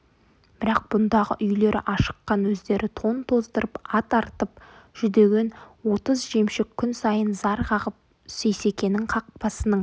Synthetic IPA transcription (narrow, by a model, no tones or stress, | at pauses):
b̥ɪɾɑq̚b̥ʊnd̪ɑʁə̰ʔʏjle̞ɾɪ̰ʔɑʃə̥qːɑnwɵzd̪e̞ɾʔɪt̪ʰo̞nt̪ʰo̞zdt̪əɾəpɑt̪ɑɾt̪əp̚ | ʒ̥ʏd̪e̞ɡʲe̞nwo̞t̪əzʒemʃɪkʲʰːʏnsɑjənzɑɾqʰɑʁəp̚ | sejse̞kʲe̞nɪŋqʰɑq̚pɑsənəɴ